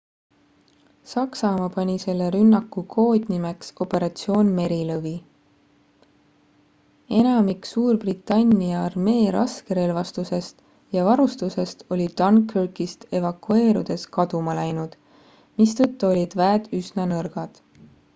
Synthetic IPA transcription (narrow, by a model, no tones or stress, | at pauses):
sɑksɑmɑpɑnʲise̞lːe̞ɾynːɑkːˑukʰo̞ːd̪̥ʲnime̞kso̞pˑe̞ɾɑt̪sio̞ːnme̞ɾilɤvi | e̞nɑmiksuːrbrit̪ːˑɑnʲːiɑɑrme̞ːɾɑ̰skeɾe̞lvɑst̪use̞st̪ | jɑvɑɾust̪use̞st̪o̞lʲi̥ɑnkʰørkist̪e̞vɑkːue̞ːɾud̪̥e̞skɑd̪̥umɑlæjnud̪̥ | mist̪ɤt̪ːuo̞lʲid̪̥væːd̪̥ysnɑnɤrɡ̥ɑd̪̥